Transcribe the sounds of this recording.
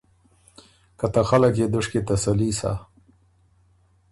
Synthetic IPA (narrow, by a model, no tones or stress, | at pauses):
kat̪axaləkjed̪ʊʂket̪asalisa̰